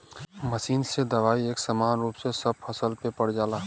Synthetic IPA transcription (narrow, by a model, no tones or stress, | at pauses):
məsiːnsed̪ɐʋaːieːksɐmaːnɾuːpsesəb̚fʰɐsəlpepəɽd͡ʒaːlaː